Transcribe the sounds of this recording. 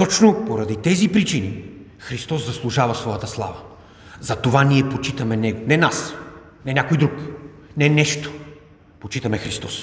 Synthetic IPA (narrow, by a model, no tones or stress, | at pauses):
t̪ɔt͡ʃnopoɾɐd̪it̪ɛzipɾit͡ʃini | xɾist̪ɔsɐslˠuʒavɐsvɔjət̪əslˠa̰və | zɐt̪ovaniɛpot͡ʃit̪ɐmɛnɛɡonɛnas | nɛnʲakojd̪ɾuk | nɛnɛʃt̪o̥ | pot͡ʃit̪ɐmɛxɾist̪ɔs